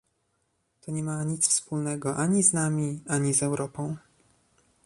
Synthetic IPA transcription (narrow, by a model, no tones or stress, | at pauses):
t̪ɔɲɛmaɲit̪sfspulnɛɡɔʔaɲiznamʲiaɲizɛwɾɔpɔ̃w̃